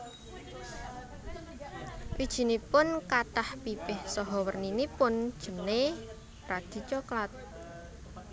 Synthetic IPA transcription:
wid̥ʒ̥i̤nipʊnkaʈahpipɪhsɔɦɔwərninipʊnd̥ʒ̥ə̤ne | pɾad̪̥i̤t͡ʃoklat̪̚

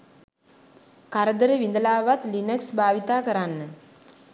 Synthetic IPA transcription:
kaɾəd̪əɾəʋind̪əlaːʋat̪linəksbʱaːʋit̪aːkəɾanːə

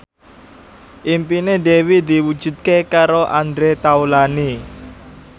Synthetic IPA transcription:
ʔimpinedewid̪i̤wud̥d͡ʒ̥ṳt̪̚kekaɾoʔand̪ɾet̪aulani

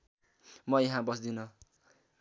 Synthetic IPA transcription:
mʌjeɦãbʌsd̪inʌ

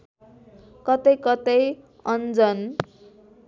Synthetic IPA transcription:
kʌt̪ʌjkʌt̪ʌj | ʌnd͡zʌn

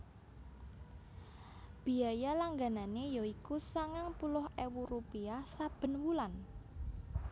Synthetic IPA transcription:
b̥i̤ajalaŋɡananejoikusaŋaŋpulʊɦewuɾupiasab̥ə̤nwulan

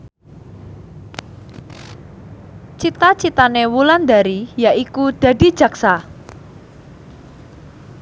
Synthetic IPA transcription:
t͡ʃit̪at͡ʃit̪anewuland̪aɾijaʔikud̪̥ä̤di̤d̥d͡ʒ̥ä̤ksa

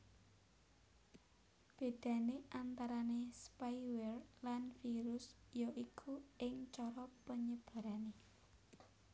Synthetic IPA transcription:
b̥e̤d̪̥ä̤neʔant̪aɾanespajwɛrlanfiɾʊs | jɔʔikʰuɪŋt͡ʃɔɾɔpəɲəb̥ä̤ɾane

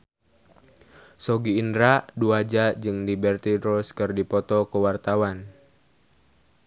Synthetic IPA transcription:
sɔɡiːndɾaduad͡ʒad͡ʒɨŋdibɛrt̪iɾɔskɨrdipɔt̪ɔkuwart̪awan

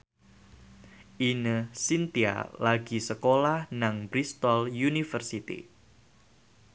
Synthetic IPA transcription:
ʔinəsint̪ia̰laɡisəkolahnaŋbɾist̪ɔljunifərsit̪ḭ

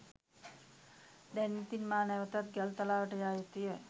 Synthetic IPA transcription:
d̪ɛnːit̪inmaːnɛʋət̪at̪̚ɡɛlt̪alaːʋəʈəjaːjit̪ijə

